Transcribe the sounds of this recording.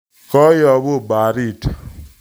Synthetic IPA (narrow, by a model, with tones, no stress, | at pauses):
kɔ˦jɔ˨bo˦˨ba˨ɾi˦˨ta˨